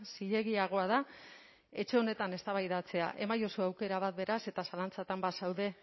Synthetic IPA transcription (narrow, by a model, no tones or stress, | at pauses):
siʎe̞ɣiaɣ̞o̞aða | e̞t͡ʃe̞o̞ne̞t̪ane̞st̪aβajðat͡se̞a̰ʔe̞majo̞so̞awke̞ɾaβ̞at̪̚be̞ɾase̞t̪asalant͡sat̪ambasawðe̞